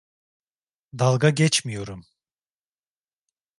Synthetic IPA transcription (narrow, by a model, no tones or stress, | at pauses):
d̪alˠɡaɟɛt͡ʃmijo̞ɾum